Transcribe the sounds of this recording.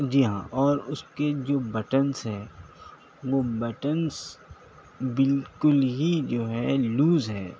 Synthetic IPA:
d͡ʒiːɦã̰ːʔɔːɾʊsked͡ʒoːbɛʈənsɦɛː | ʋoːbɛʈəns | bɪlkʊlɦid͡ʒoːɦɛːluːzɦɛː

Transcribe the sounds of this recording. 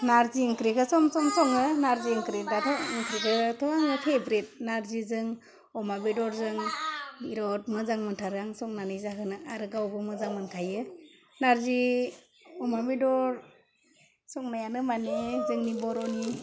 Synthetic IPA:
naɾziɯŋkɾikɯsɔmsɔmsɔŋɯnaɾziɯŋkɾidatʰɔŋkɾikʰɯtʰɔaŋɯpʰebɾit̚naɾzizɯŋ | ɔmabidɔɾzɯŋiɾɔt̚mɯzaŋmɯntʰaɾaŋsɔŋnanɯjzakʰɯnɯaɾɯɡawbɯmɯzaŋmɯnkʰajɯ | naɾzi | ɔmabidɔɾ | sɔŋnajanɯmanezɯŋnibɔɾɔni

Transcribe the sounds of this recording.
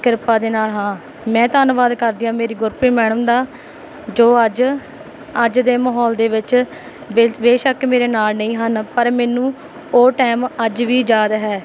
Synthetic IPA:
kɪɾpaːd̪eːnaːlɦãː | mɛ̃ːt̪aːnʋaːd̪kəɾd̪ɪjãːmeːɾiːɡʊɾpɾiːmɛːɳəmd̪aː | d͡ʒoːəd͡ʒ | əd͡ʒd̪eːməɦɔːld̪eːʋɪt͡ʃ | ebeːʃəkmeːɾeːnaːlnəĩːɦənpəɾmɛːnũː | oːʈɛːməd͡ʒʋiːd͡ʒaːd̪ɦɛː

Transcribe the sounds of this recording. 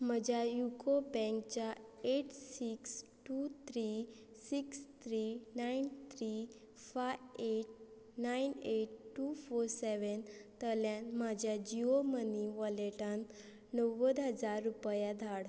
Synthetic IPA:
m̤əd͡ʑʱjajukobɛ̃ŋkt͡ɕaeʈsiksʈut̪ʰɾi | sikst̪ʰɾinaint̪ʰɾi | faeʈ̚ | naineʈ̚ʈːufoɾsɛʋənt̪əljãnmad͡ʑʱjad͡ʑioməniʋəleʈan | nəʋəd̪ɦəd͡zaɾːupjad̪ʱaɽ

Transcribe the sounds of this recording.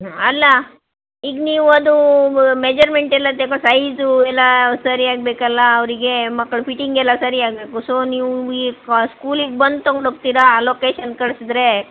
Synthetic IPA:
ɐlːɐ | iːɡniːʋuɐd̪umed͡ʒɐɾme̞ɳʈɛlːɐt̪ekosɐjzuɛlːɐsɐɾiaːɡ̚beːkɐlːɐːʋɾiɡe̞mɐkːɐɭupʰiʈiŋɡɛlːɐsɐɾiaːɡbeːkusoːniːʋuiskuːliɡbɐnd̪t̪oɡɽoɡ̚t̪iːɾɐloːkeːʃɐnkɐɭsid̪ɾe̞

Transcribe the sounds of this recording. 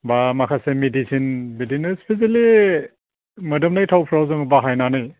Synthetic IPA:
bamakʰasemedisinbedinɯspʰeseli | mɯdɯmnajtʰawpʰɾawzɯŋbaɦajnanɯj

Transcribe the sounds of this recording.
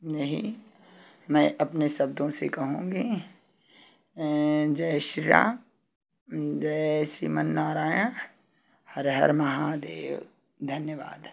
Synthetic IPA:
jɐɦḭ | mɛ̃ːʔɐpnesɐb̚d̪õsekɐɦũːɡi | d͡ʒɛːʃɾɪɾã̰ː | d͡ʒɛsḭmənːaːɾaːjã | hɐɾɦɐ̰ɾmɐɦad̪eːʋ | d̪ʱɐnjəʋa̰ːd̪

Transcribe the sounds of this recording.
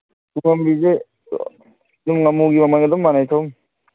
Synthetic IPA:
uŋɐmbize | dumŋɐmuɡimɐmanɐd̪ɔmːanajt̪ʰom

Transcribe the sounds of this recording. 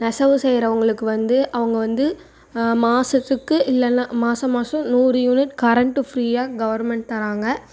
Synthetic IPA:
nɐsɐʋɯsɛjɾɐʋɐŋɡɐɭɯkːɯʋɐnd̪ɯʔɐʋɐŋɡɐʋɐnd̪ɯ | maːsɐt̪ːɯkːɯʔɪlːɐnːãːmaːsɐmaːsɔ̃nuːrɯjuːnɪʈkɐɾɐɳʈɯfɾiːjaːɡɐʋɐɾmɛɳʈ̚t̪ɐɾaːŋɡɐ

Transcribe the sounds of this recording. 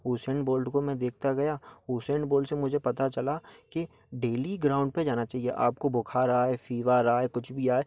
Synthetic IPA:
ɦuːseːɳboːlɖkomɛ̃d̪eːkʰt̪aɡɐjaɦuːseɳɖboːlɖsemʊd͡ʒʱepɐt̪at͡ʃɐlaki | ɖeːliɡɾãːʊ̃ɳɖped͡ʒaːnat͡ʃaːɦiḛʔa̰ːp̚kobʊkʰaɾɐɦaɦefiːʋaɾɐaekʊt͡ʃʰbʱiaːe

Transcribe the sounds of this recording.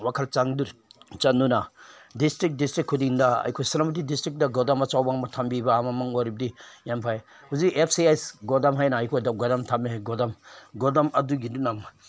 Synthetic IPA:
wakʰalt͡ʃaŋduɾt͡ʃanunadistɾik̚distɾikʰːudiŋdɐa̰jkʰojsinamut̬idistɾik̚dɐɡɔdamɐt͡ʃawbaŋmɐtʰambibaːmamaŋoɾibɐdijampʰaj | huzikepʰsiajsɡɔdamɦajnaːjkʰojdaw̚ɡɔdamtʰameɡɔdamɡɔdamɐduɡidunam

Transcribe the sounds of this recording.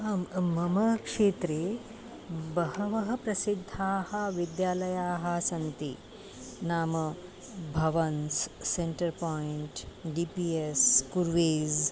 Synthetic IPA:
ammɐmɐkʂeːt̪ɾeː | bɐhɐʋɐɦɐpɾɐsid̪ʱːaːhɐʋid̪jaːlɐjaːɦɐsɐnt̪i | naːmɐ | bʱɐʋɐnsseɳʈɐɾpɔiɳʈɖiːpiːeskuɾʋeːz

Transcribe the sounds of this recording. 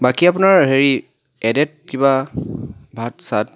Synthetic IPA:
bakiap̬ʊnaɹɦeɹi | ɛdɛt̚kiba | bʱatsat

